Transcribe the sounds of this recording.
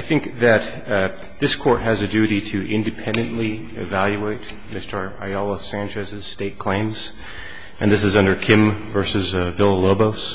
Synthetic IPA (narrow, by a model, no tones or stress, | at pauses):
aɪθɪ̃ŋk̚ðɨt̪̚ | ðɪskʰɔɹt̚ɦɨzɨdʉɾiɾɨʔɪ̃ndɨpʰɛ̃ndɨ̃nʔli | ɪvælˠjʉeɪt̚ | mɪstə˞a̰ɪɔlˠəsæ̃nt͡ʃɨzɨz̥steɪt̚kʰl̥ẽɪ̃mz̥ | ʔɨ̃nðɪsɨzʌ̃ndə˞kʰɪ̃ɱvɜ˞sɨzvɪlˠloʊboʊs